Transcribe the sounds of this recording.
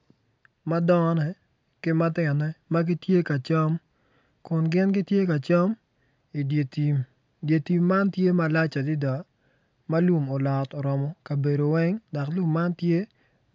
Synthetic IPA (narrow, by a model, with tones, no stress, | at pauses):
ma˦dɔ˦ŋɔ˦nɛ˨ | kɪ˦ma˦tɪ˨nɛ˦ma˦ɡɪ˦tje˦ka˨t͡ʃɔ˦m | kʊ˨nɡɪ˦nɡɪ˦tje˦ka˨t͡ʃɔ˦m | i˨de˨ti˨m | dje˨ti˨mːa˦ntje˦ma˨la˦t͡ʃa˨dɪ˦da˨ | ma˦lu˨mo˨lɔ˨tɔ˨ɾɔ˨mɔ˦ka˨be˨do˨wɛ˦ŋdɔ˨klu˦mːa˦ntje˦